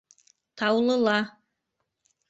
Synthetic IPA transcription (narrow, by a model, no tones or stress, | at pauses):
t̪ʰɑwlˠɤ̆lˠɑ